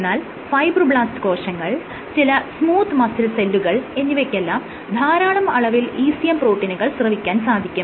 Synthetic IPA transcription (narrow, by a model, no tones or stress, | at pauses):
enːaːl | fɐjbrɨbɭaːstɨ̥ko̞ːʂɐŋːɐɭ | t͡ɕilɐsmuːt̪ːmɐsilselːuɣɐɭe̞nːiʋekʲːɐlːɐm | d̪ʱaːɾaːɳɐmɐɭɐʋiliːsijɐmpro̞ːʈːinuɣɐɭsrɐʋikʲːaːnsaːd̪ʱikʲːum